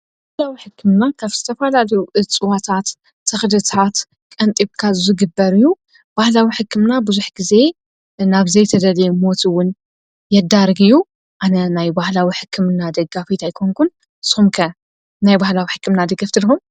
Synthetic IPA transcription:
bahlawiħɨkʰːɨmnakʰaβzɨt̪ʰɐfalalɐjuʔɨt͡sʼɨwat̪ʰat̪ʰː | ɐxd̪ɨt̪ʰat̪ | kʼɐnt̪ʼiβkʰazzɨɡɨbːɐɾiju | b̥ahlawiħɨkʰːɨmnabɨzuħɡize̞ | naβzɐjt̪ʰɐd̪ɐlemo̞t̪ʰiwʊn | jɛd̪aɾɡiju | ʔanɐnajbahlawiħɨkʰːɨmnad̪ɐɡafit̪ʰajkʰoŋkʰun | ɨsɨ̥xumkʰɐ | najbahlawiħɨkːɨmnad̪ɐɡɐft̪ʰɨlɨxum

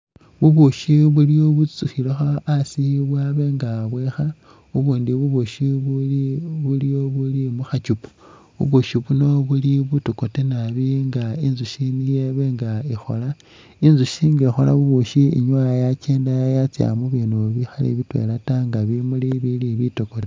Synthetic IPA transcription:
βuβuʃiβulijo̞βut͡suxiloxaːsiβwaβe̞ŋɡaβwexa | uβuːndiβuβuʃiβuβulijoβulimuxat͡ʃupu̥ | βṵβuʃiβuno̞βuliβutoko̞tenaβiŋɡainzuʃinijeβe̞ŋɡaixo̞̰la | inzuʃiŋɡaixola̰βuβuʃiḭɲwajat͡ʃeːndajajat͡sja̰muβiːnuβixalḛβitwḛlataŋɡaβimuliβiliβitokote

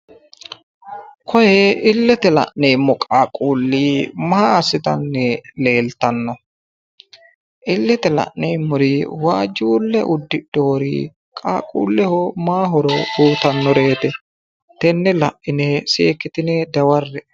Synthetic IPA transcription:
kʰɔjɛɪlːɛt̪ɛlɐ̰ʔnejmːɔkʼaːkʼuːlːiːmaaːsɪt̪ɐnːɛle̞ːlt̪ɐnːɔ | ʔɪlːɛt̪ɛlɐ̰ʔnejmːʊɾiwaːd͡ʒuːlːɛʔʊd̪ːɪdo̞ːɾḭ | kʼaːkʼṵːlːɛhɔmaːɦɔɾɔduːt̪ɐnːɔɾe̞ːt̪ɛ | t̪ɛnːɛlɐ̰ʔʔɪnɛseːkːɪt̪ɪnɛd̪ɐwɐrːɛ

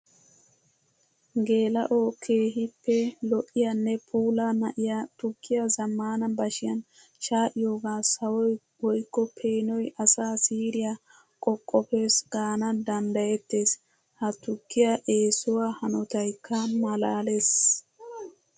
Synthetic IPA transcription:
ɡe̞ːlɐ̰ʔokʰe̞ːɦɪpːɛlɔʔːɪjɐnːɛpʰuːlɐnɐʔɪjat̪ʊkːɪjɐzɐmːaːnɐbɐʃɪjɐn | ʃaːʔɪjo̞ːɡaːsɐwɔj | wɔjkːɔpʰe̞ːnɔjʔɐsaːsiːɾɪja | kʼɔkʼːɔpe̞ːsɡ̥aːnɐd̪ɐnd̪ɐjɛt̪ːe̞ːs | hɐt̪ʊkːɪjaʔe̞ːsʊwaːhɐnɔt̪ɐjkːɐmɐlaːles

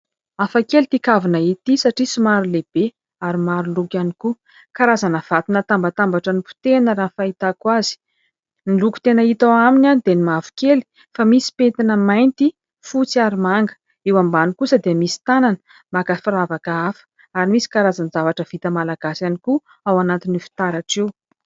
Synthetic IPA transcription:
afakelit̪ikavinəit̪isaʈ͡ʂisimaɾuleb̥e | aɾimaɾulukaniku | kaɾazanəv̥at̪inət̪ambat̪ambaʈ͡ʂənipu̥t̪enəɾanfait̪akwazi̥ | niluku̥t̪enəit̪awaminʲanid̪enimavu̥keli̥ | famisi̥pet̪inəmajnt̪i | fut͡siaɾimaŋɡə̥ | ewambanikusəd̪eamisi̥t̪ananə̥ | makəfiɾavakaafə̥ | aɾimisi̥kaɾazanzavaʈ͡ʂəv̥it̪əmalaɡ̥asaniku | awanat̪inifi̥t̪aɾaʈ͡ʂew

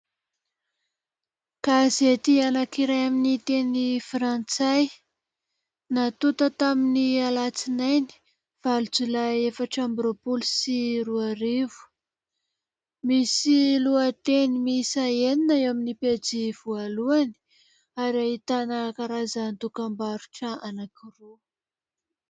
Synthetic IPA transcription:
kazet̪ianakiɾajaminit̪enifrant͡saj | nat̪ut̪ət̪aminialat͡sinajni̥ | v̥alut͡sulajefaʈ͡ʂambɾopulsiɾuaɾivu̥ | misiluat̪enimisaeninaeaminiped͡ziv̥ualuani̥ | aɾiaɦit̪anəkaɾazant̪ukambaɾu̥ʈ͡ʂəanakiru

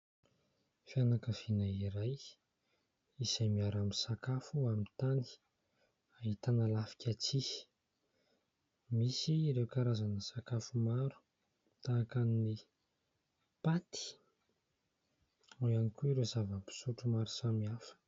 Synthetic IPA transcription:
fjanakəv̥inaiɾaj | izajmiaɾamisakafuamint̪ani̥ | aɦit̪anəlafi̥kʰʲat͡si̥ | misiɾewkaɾazanəsakafumaɾu̥ | t̪akanini | pat̪i̥ | ujanikuiɾezavəpi̥suʈ͡ʂumaɾu̥samiafə̥

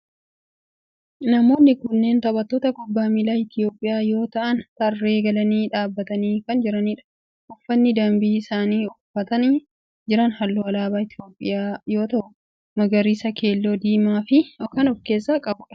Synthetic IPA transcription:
nɐmo̞ːnːɪkʊnːe̞ːnt̪ɐbɐt̪ːo̞ːt̪ɐkʊbːaːmɪlaːɪt̪ɪjo̞ːpʼːɪjaːjo̞ːt̪ɐʔɐnt̪ɐrːe̞ːɡɐlɐniːᶑaːbːɐt̪ɐniːkɐnd͡ʒɪɾɐniːᶑɐ̥ | ʔɔfːɐnːɪd̪ɐmbɪsaːniːʊfːɐt̪ɐniː | d͡ʒɪɾɐnhɐlːoɐlaːbaːɪt̪ʰɪjo̞ːpʼːɪ̰jaːjo̞ːt̪ɐʔʊ | mɐɡɐɾiːsɐkʰe̞ːlːo̞ːd̪iːmaːfɪɔkɐnɔfke̞ːsːakʼɐbʊ̥

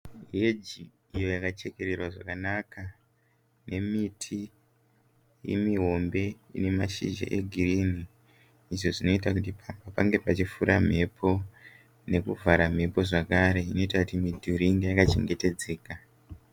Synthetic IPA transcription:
ɦed͡ʒi | ijo̞jakat͡ʃe̞ke̞ɾe̞rwaʐakanaka | ne̞mitʰi | jḛmiɦo̞mbe̞ḭne̞maʃḭʒḛʔḛɡʱiriniː | ʐo̞ʐino̞itak̬utipapapaŋɡe̞pat͡ʃifuɾʔam̤e̞pʰo̞ | ne̞kuvʱaɾam̤e̞po̞ʐakaɾe̞ino̞itakutimidʱuɾiŋɡijakat͡ʃe̞ŋɡe̞te̞d͡ze̞ːka

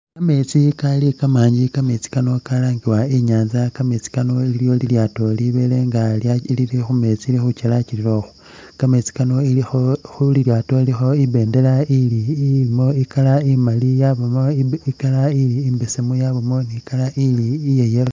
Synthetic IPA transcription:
kame̞t͡sikalikamaːɲɟikame̞t͡si̥kano̞kalaːŋɡiwaiɲaːnzakamet͡si̥kano̞iiljo̞liljaːto̞liβele̞ŋɡalalilixume̞t͡silixut͡ʃelaciliɾo̞xu̥ | kamet͡si̥kano̞ilixoxuliljaːto̞ilixo̞iβe̞ːnde̞lailimo̞ikalaimalijaβomoikalailiːmbesemujaβomo̞nikalaʔiliːjejel

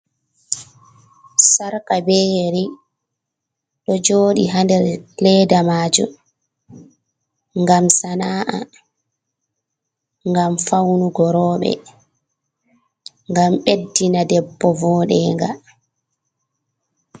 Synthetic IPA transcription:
saɾkabɛheɾi | ɗɔd͡ʒoːɗiɦandɛɾlɛdamaːd͡ʒṵ | ŋɡamsanaːʔa̰ | ŋɡamfawnuɡɔɾɔːɓɛ̰ | ŋɡamɓedːinadɛbːɔvɔːɗɛːŋɡa

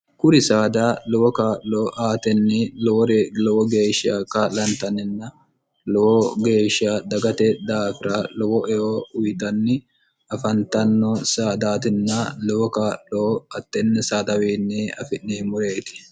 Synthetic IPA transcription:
kʊɾɪsaːd̪aːlɔwɔkaːlloːʔaːt̪ɛnːɛlɔwɔɾelɔwɔɡeːʃa̰kaːlɐnt̪ɐnɪnːɐ | lɔwɔɡeːʃːad̪ɐɡɐt̪ɛd̪aːfɪɾɐlɔwɔʔɛjoʊjt̪ɐnːɪ | ɐfɐnt̪ɐnːɔsaːd̪aːt̪ɪnːɐlɔwɔkaːlloːɐt̪ːɛnːɛsaːd̪ɐwiːnːɛɐfɪnːeːmʊɾeːt̪ɪ̥

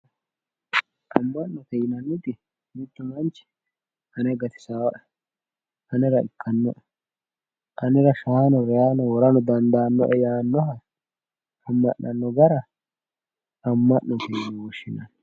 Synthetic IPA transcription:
ʔɐmːɐnːɔk̪ɛjɪnɐnːʊd̪ɪ | mɪt̪ːʊmɐnt͡ʃɛ̥ | hɐnɛɡɐt̪ɪ̥saːwɐʔɛ | ɐnɛɾɐɪ̰kʰːɐnːɔʔɛ | ʔɐnɛɾɐʃaːnɔɾɛjaːnɔwɔɾɐnɔd̪ɐnd̪aːnːɔ̰ʔɛjaːnːɔɦɐ | ɐmːɐʔːɐnːɔɡɐɾɐ | ɐmːɐʔnɔt̪ɛjɪnɪwɔʃːɪnɐn

